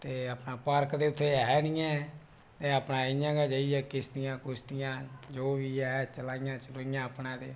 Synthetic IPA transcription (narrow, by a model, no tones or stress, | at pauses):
t̪eːəpnaːpəɾkd̪eːʊt̪ʰːeːɦɛːnɪjɛ̃ː | t̪eːəpnãːɪjãːɡaːd͡ʒəːiɛːkɪst̪ɪjãːkʊst̪ɪjãːd͡ʒoːbiːɛːt͡ʃəlaːɪjãːt͡ʃəloːɪjãːəpnãːd̪eː